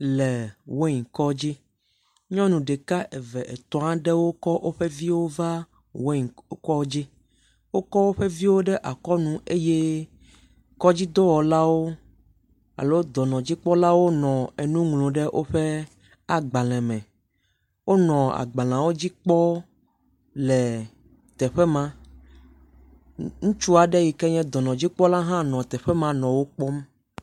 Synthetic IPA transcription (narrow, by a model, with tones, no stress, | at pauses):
lɛ˨wo˦ɲĩ˨kɔ˦d͡ʑi˦ | ɲɔ̃˦nũ˨ɖɛ˨ka˦ʔe˨vɛ˨ʔe˨t̪ɔ̃˨ã˦ɖɛ˦wo˦kɔ˦ʔo˦ɸe˦vi˦wo˦va˦ | wo˦˨˦kɔ˦d͡ʑi˦ | wo˦kɔ˦wo˦ɸe˦vi˦wo˦ɖɛ˦ʔa˨kɔ˦nũ˦e˦je˦ | kɔ˦d͡ʑi˦d̪o˦wɔ˨la˦wo˦ | a̰˨lo˦d̪ɔ˨nɔ̃˨d͡ʑi˦k͡pɔ˦la˦wo˦nɔ̃˨e˨nũ˦ŋlõ˨ɖɛ˦ʔo˦ɸɛ˦ | a˨ɡ͡ba˨lɛ̃˨mɛ̃˨ | wo˦nɔ̃˨a̰˨ɡ͡bã˨l̃ã˨wo˦d͡ʑi˦k͡pɔ˦ | lɛ˨ | t̪ɛ˨ɸɛ˦mã˦ | ŋũ˦t͡ʃu˦a˨ɖɛ˦ji˨kɛ˦ɲɛ̃˦d̪ɔ˨nɔ̃˨d͡ʑi˦k͡pɔ˦la˦ɦã˦nɔ̃˨t̪ɛ˨ɸɛ˦mã˦nɔ̃˨wo˦k͡pɔ˦m